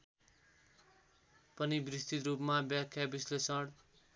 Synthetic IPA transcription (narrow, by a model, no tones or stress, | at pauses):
pʌnibrist̪it̪ɾupmabjakʰjabislesʌɽ